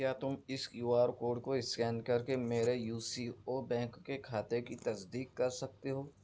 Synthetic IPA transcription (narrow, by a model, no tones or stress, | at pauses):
jaːt̪ʊmɪsjuːaːɾkoːɖ̚koɪskɛːnkɐɾkemeːɾejuːsioːbɛ̃ːŋkːekʰaːt̪ekit̪ɐsd̪iːkːɐɾsɐk̚t̪eɦoː